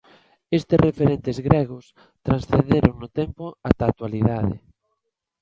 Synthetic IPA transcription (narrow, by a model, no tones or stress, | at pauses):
est̪ɪsrefeɾent̪ezɣɾɛɣ̞ʊs | t̪ɾansθend̪eɾoŋnʊt̪empʊat̪at̪waliðaðɪ̰